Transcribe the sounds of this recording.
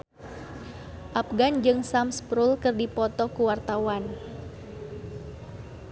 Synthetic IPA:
ʔap̚ɡand͡ʒɨŋsamspɾulkɨrdipɔt̪ɔkuwart̪awan

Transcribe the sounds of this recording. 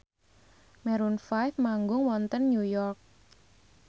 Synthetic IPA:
mɛɾunfajfmaŋɡʊŋwɔnt̪ənːjujɔrk̚

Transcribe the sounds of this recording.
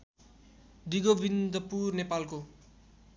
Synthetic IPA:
d̪iɡobind̪ʌpurnepalko

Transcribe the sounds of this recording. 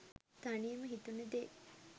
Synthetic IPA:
t̪anijəməɦit̪unəd̪e

